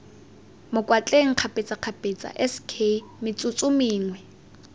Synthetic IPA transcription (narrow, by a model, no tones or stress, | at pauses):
mʊkʼwat͡ɬʼeŋ̩q͡χʰapʼɪt͡sʼaq͡χʰapʼet͡sʼa̰ʔɛskʰemɪt͡sʼʊt͡sʼʊmɪːŋwɛ